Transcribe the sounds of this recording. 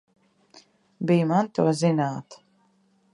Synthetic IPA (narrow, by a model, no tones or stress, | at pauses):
bijmant̪uɔzinaːt̪